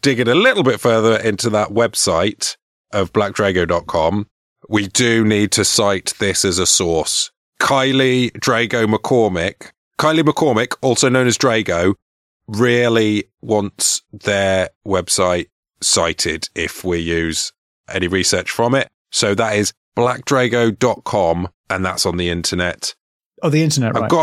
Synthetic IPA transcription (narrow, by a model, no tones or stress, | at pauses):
d̥ɪɡɪɾəlɪtl̩ˠbɪtfɜːðəɹɪ̃ntuðəʔwɛb̥saɪt | ʔəvblak̚dɹeɪɡəʊdɒʔ̚kʰɒ̃m | widəniːd̚tʰəsaɪʔ̪ðɪsəzəsɔˑs | kʰaɪlidɹeɪɡəʊməkʰɔːmɪkʰː | aɪliməkʰɔːmɪkɔˑlˠsoʊnõʊ̃nəzdɹeɪɡəʊ | ɹɪəliwɒ̃ntsðəwɛb̥saɪt | saɪtʰɪdɪfwijʉːz̥ | ʔɛ̰ñiɹisɜˑt͡ʃfɹə̃mɪt̚ | soʊðətɪz | b̥lak̚dɹeɪɡəʊdɒʔkʰɒ̃mʔə̃nða̰tsn̩ðiɪ̃ntʰənɛt | əðiɪ̃ntənɛ̰ʔɹaɪɪɡɒ